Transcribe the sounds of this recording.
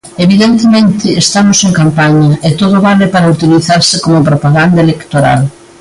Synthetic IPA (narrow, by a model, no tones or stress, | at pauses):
eβiðent̪emẽnt̪ɪːst̪amoseŋkampaɲɐʔet̪oðoβalɪpaɾɐut̪iliθaɾsɪkomopɾopaɣand̪ɐelekt̪oɾa̰l